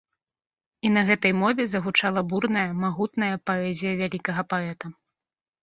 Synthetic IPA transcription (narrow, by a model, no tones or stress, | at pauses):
inɐɣɛt̪ɐjmɔvʲɛzɐɣut͡ʂalˠɐburnɐjɐmaɣut̪nɐjɐpaɛzʲijɐvʲalʲikɐɣɐpaɛt̪ɐ